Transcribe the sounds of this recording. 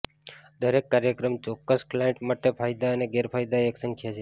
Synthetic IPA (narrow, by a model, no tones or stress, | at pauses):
d̪əɾekːaɾjəkɾəmt͡ʃɔkːəsklajẽɳʈmaʈepʰajd̪aəneɡeɾpʰajd̪aeksə̃ŋkʰjat͡ʃʰe